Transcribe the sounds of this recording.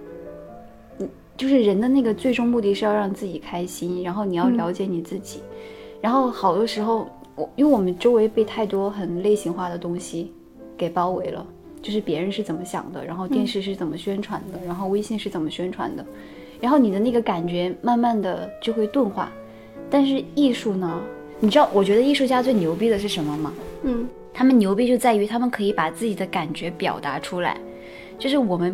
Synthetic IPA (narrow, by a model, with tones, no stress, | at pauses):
n̩˨˩ | t͡ɕjo˥˧ʊʂɻ̩˥˩ɻə˧˥nd̪ə˧na˥˩ɡə˩t͡swe˥ɪʈ͡ʂʊ˥ŋmu˥˧t̪i˥˧ʂɻ̩˥˧jɑ˥˧ɑ˥˧ŋt͡sɹ̩˥˩t͡ɕi˨˩kʰa˥ɪɕi˥nɻa˧˥nxo˥˩ʊni˨˩jɑ˥˩ʊljɑ˧˥ʊt͡ɕjɛ˧˥ni˨˩t͡sɹ̩˥˩t͡ɕḭ˨˩˦ɻa˧˥nxo˥˩ʊxɑ˨˩ʊt̪wɔ˧˥ʂɻ̩˧˥xo˥˧ʊ | wɔ˨˩˥wwɔ˨˩mə˦nʈ͡ʂo˥ʊwe˧˥ɪpe˥˧ɪt̪ʰa˥˩ɪt̪wɔ˥xə˨˩nle˥˩ɪɕi˧˥ŋxwa˥˩d̪ə˩t̪ʊ˥ŋɕi˨ | ke˨˩ɪpɑ˥ʊwe˧˥ɪlə̰˧ | t͡ɕjo˥˧ʊʂɻ̩˥˩pjɛ˧˥ɻə˧˥nʂɻ̩˥˩t͡sə˨˩nmə˦ɕjɑ̰˨˩ŋd̪ə̰˦ɻa˧˥nxo˥˧ʊt̪jɛ˥˧nʂɻ̩˥˧ʂ̬ɻ̩˥˩t͡sə˨˩nmə˦ɕɥɛ˥nʈ͡ʂʰwa˧˥nd̪ə˧ɻa˧˥nxo˥˩ʊwe˥ɪɕjɛ˥˧nʂɻ̩˥˩t͡sə˨˩mə˦ɕɥɛ˥nʈ͡ʂʰwa̰˧˥nd̪ə˧ | ɻa˧˥nxo˥˩ʊni˨˩d̪ə˦na˥˩ɡə˦ka˨˩nt͡ɕɥɛ˧˥ma˥˧nma˥˩nd̪ə˩t͡ɕjo˥˧ʊxwe˥˧ɪt̪wə˥˧nxwa̰˥˩ | t̪a˥˧nʂɻ̩˥˧i˥˧ʂu˥˩nə˩ | ni˨˩ʈ͡ʂɻ̩˥ɑ˥˩ʊwɔ˨˩t͡ɕɥɛ˧˥d̪ə˧i˥˧ʂu˥˩t͡ɕja˥t͡swe˥˩ɪnjo˧˥ʊpi˥d̪ə˨ʂ̬ɻ̩˥˩ʂə˧˥nmə˧mɐ˩˥˩ | t̪ʰa˥mə˨nnjo˧˥ʊpi˥t͡ɕjo˥˧ʊt͡sa˥˩ɪy˧˥t̪ʰa˥mə˨nkʰɤ˧˥i˧˥pa˨˩t͡sɹ̩˥˩t͡ɕi˨˩d̪ə˦ka˨˩nt͡ɕɥɛ˧˥pjɑ̰˨˩ʊt̪a˧˥ʈ͡ʂʰu˥la̰˧˥ɪ | t͡ɕjo˥˧ʊʂɻ̩˥˩wɔ˨˩mə˦n